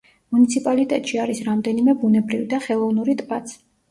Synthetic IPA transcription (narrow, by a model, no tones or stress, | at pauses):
munit̪sʰipʼalit̪ʼɛt̪ʼʃiaɾisɾamd̪ɛnimɛbunɛbɾivid̪aχɛlˠɔvnuɾit̪ʼbat̪sʰ